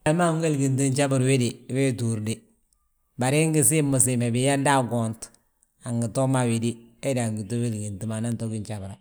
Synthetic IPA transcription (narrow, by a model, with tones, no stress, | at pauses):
a˦ma˦ŋ˦ɡe˦lɡi˨nt̬i˦nt͡ʃa˦bu˨ɾwe˦di˨we˦tu˨ɾdi˦ | ba˨ɾi˦ŋɡi˦si˦mʊ˨s̬i˨me˨bi˨ja˦da˦ɡo˨nt | a˨ŋɡi˨to˦ma˨wi˨di˦e˦da˨ŋɡi˨to˦we˦˨lɡi˨nti˨ma˨na˦nto˦ɡi˦nt͡ʃa˨bɾa˨